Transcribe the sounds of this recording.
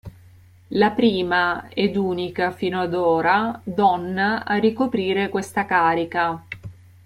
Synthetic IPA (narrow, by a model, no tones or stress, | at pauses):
lapɾiːmaɛd̪uːnikafiːnoad̪oːɾad̪ɔnːaarikopɾiːɾekwest̪akaːɾika